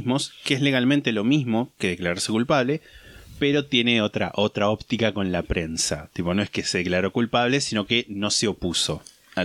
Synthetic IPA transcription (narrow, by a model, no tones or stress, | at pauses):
mo̞skeezle̞ɣalmẽnt̪e̞lo̞mizmo̞keðe̞klaɾaɾsekulpaβ̞le̞peɾo̞t̪je̞ne̞o̞t̪ɾa̰ʔo̞t̪ɾao̞pt̪ikako̞nlapɾe̞nsa̰t̪ipo̞no̞e̞hke̞seðeklaɾo̞kulpaβ̞lesino̞keno̞seo̞puso̞ | a